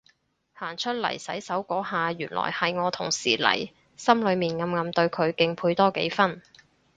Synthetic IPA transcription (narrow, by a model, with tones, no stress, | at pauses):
haː˨˩ŋt͡ʃʰɵ˥t̚lɐ̰˨˩jsɐ˨˥jsɐ˨˥wkɔː˨˥ɦaː˨˧ɥyː˨˩nlʔɔ̰ː˨˩jhɐ˨jŋɔː˨˧t̪ʰʊ˨˩ŋsḭː˨˩lɐ̰˨˩j | sɐ˥mlɵ˨˧ɥmiː˨˩nŋɐ˨˧mŋɐ˨mt̪ɵ˧ɥkʰɵ˨˧ɥkɪ˨˧ŋpʰuː˧jt̪ɔː˥kḛ˨˥jfɐ˥n